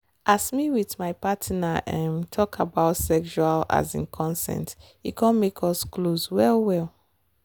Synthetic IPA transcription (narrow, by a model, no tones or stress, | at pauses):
ʔasmiwiθmaɪpatʰnaʔɛ̃mtʰɔkʰabaʊtsɛkʃuala̰zḭ̃nkʰɔ̃nsɛ̰̃nt | ikʰɔ̃nmekʰɔskloswɛlwɛl